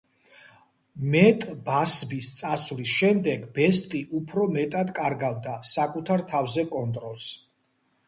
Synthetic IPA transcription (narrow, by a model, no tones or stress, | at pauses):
mɛt̪ʼbasbist̪sʼasvlisʃɛmd̪ɛɡbɛst̪ʼiʔupʰɾɔmɛt̪ʼad̪kʼaɾɡavd̪asakʼut̪ʰaɾt̪ʰavzɛkʼɔnt̪ʼɾɔlˠs